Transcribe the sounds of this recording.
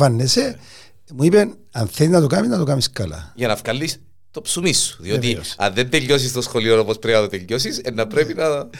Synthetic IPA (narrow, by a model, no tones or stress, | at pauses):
ɐnːese | muipen | ɐnθeiznɐt̪okamiznɐt̪okamiskɐlɐ̰ʝɐnɐfkɐlːis | t̪opsumisːu̥ðiot̪iɐ̰nðend̪eʎːos̬ist̪osxolionopospɾeɐt̪ot̪eʎːosisenːɐpɾepinɐ